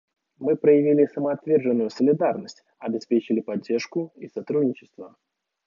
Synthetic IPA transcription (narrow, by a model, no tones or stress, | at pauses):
mɨpɾəjɪvʲilʲɪsəməɐt̪vʲerʐɨnːʊjʊsəlʲɪd̪arnəsʲtʲ | ɐbʲɪspʲet͡ɕɪlʲɪpɐdʲːerʂkʊisat̪ɾud̪ʲnʲɪt͡ɕɪ̥st̪və